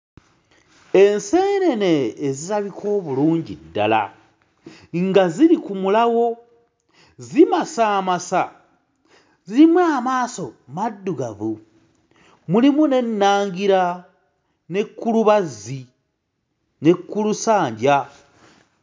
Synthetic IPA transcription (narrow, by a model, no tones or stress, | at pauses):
e̞nse̞ːne̞ne̞ːzitaβikʰo̞ːβuluːɲɟḭdːa̰la̰ | ŋɡaziɾikumulawo̞ | zimasaːmasa | ziɾimuaːmaːso̞madːuɡavu | mulimune̞nːaːŋɡiɾa | ne̞kːuluβazi | ne̞kːulusaːɲɟa